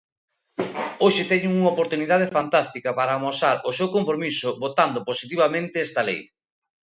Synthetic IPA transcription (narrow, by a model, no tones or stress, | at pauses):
oʃɪt̪ɛɲʊŋuŋaopoɾt̪uniðað̞efant̪ast̪ikɐpaɾaːmosaɾosewkoɱfɾomisʊbot̪and̪ʊposit̪̬iβamẽnt̪ɪɛst̪ɐlḛj